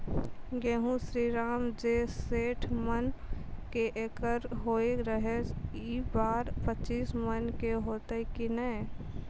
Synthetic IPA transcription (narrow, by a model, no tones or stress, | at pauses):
ɡeːɦũsɾiːɾaːmd͡ʒeseːʈʰmənkeʔeːkəɾɦoːeɾəɦes | iːbaːɾpət͡ʃiːsmənkeɦoːt̪ekinəe